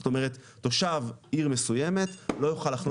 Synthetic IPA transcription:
ot̪o̞me̞ʁet̪ːoʃaviʁme̞suje̞me̞t̪lo̞joχalaχno

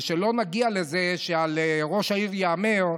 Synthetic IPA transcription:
ʃelo̞naɡialezeʃealeʁo̞ʃaiʁjaameʁ

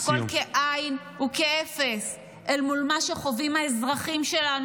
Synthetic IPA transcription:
kolkeʔajn | ukeefes | elmulmaʃeχo̞vimhaezʁaχimʃe̞lan

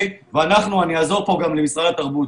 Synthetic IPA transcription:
veanaχnuaniaːzo̞ʁpo̞ɡamlemisʁadat̪aʁbut

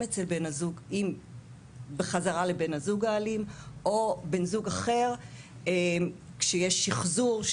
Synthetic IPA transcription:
et͡selbenazuɡim | beχazaʁalebenazuɡaːlimʔobe̞nzuɡaχe̞ʁ | em | kʃejeʃiχzuʁʃ

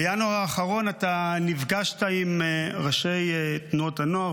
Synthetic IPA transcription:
januaaːχaʁo̞natanivɡaʃtaimeʁaʃe̞jtnuo̞thanoa

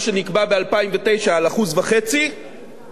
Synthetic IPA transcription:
ʃe̞nikbabealpaimvet̪e̞jʃaalaχuzvaχe̞t͡si

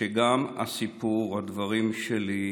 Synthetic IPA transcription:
eɡama̰sipuʁhad̪vaʁimʃeli

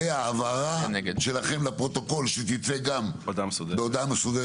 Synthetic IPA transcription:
ejaːvaʁanʃelaχe̞mlapʁo̞t̪o̞ko̞lʃet̪it̪seɡamod̪amsod̪beod̪amesod̪e

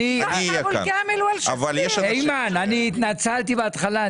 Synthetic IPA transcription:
iniaokeameluala̰valjɛʃejmananiːt̪nat͡salt̪ibeat̪χala

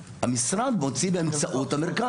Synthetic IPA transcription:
hamisʁad̪mo̞t͡sibeːmt͡st͡saʔut̪hameʁka

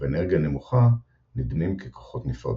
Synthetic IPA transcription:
eeneʁɡiane̞muχa | nid̪nimkekoχo̞t̪nifʁa̰

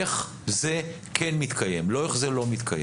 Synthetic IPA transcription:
eχ | ze | kʰenmit̪kʰajemloeχzelo̞mit̪kʰaje

